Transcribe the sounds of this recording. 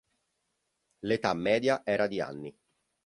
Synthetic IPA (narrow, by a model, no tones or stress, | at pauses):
let̪amːɛːd̪jaʔɛːɾad̪ia̰nːi